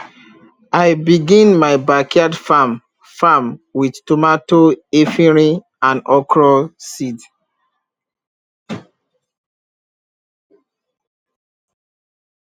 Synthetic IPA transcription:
ajbiɡĩnmajbakʰiadfam | famwidtomatoefĩɹi | ãnɔkʰɹɔsid

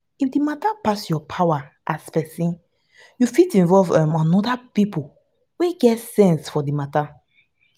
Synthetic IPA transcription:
ifdimatapasjɔpʰawa | ʔaspɛsĩn | jufitĩnvɔlvãmãnɔdapipo | weɡɛtsɛ̃nsfɔdimata

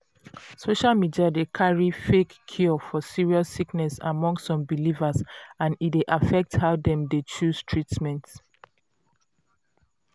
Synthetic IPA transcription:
soʃalmidiadekʰaɹifekʰːjɔfɔsiɹiɔssiknɛsa̰mɔ̃ŋstsɔ̃mbilivasãnit̚deʔafɛk̚thaʊdɛ̃mdet͡ʃuz̥tʰɹitmɛ̃nt

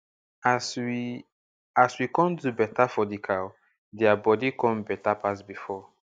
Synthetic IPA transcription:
aswikɔ̃ndubɛtafɔdikʰaw | dɛabɔdikɔ̃mbɛtapas̬bifɔ

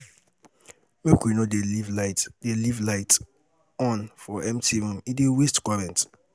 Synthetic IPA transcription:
mekwinodelvlatdelivlaɪt | ɔ̃nfɔɛ̃mtʰiɾũmidewestkaɾɛ̃nt

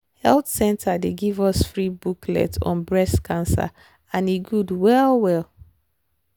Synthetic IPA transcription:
hɛltsɛ̃ntʰadeɡivɔsfɹibuklɛ̰tʰɔ̰̃nbɹɛskʰãnsa̰ | ãniɡudwɛlwɛl

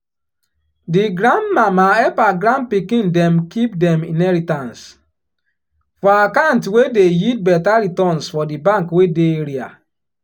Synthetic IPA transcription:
diɡɾãndmamaɛpaɡɾãn̚pikĩndɛmkipdɛ̃mĩnɛɾitãns | fɔakantwedejit̚bɛtaɾitɔ̃nsfɔdibãŋkwedeeɾia̰

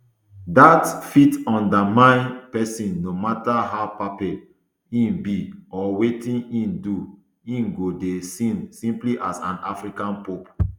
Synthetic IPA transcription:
datfitɔ̃ndamãɪ̃npɛsĩnːomataɦaʊpapɛ | ĩnbiɔwetĩnĩndu | ĩnɡodesĩnsĩmpliʔasãnafɹikãnpop

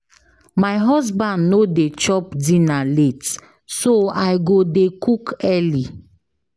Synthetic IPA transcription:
majɦɔs̬bãndnodet͡ʃɔpdĩnalet | soajɡodekukɛli

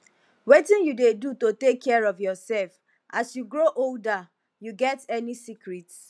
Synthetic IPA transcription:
wetĩnjudedutotekʰːɛɹɔvjɔsɛlf | ʔasjuɡɹoʔolda | juɡɛtɛnisikɹit

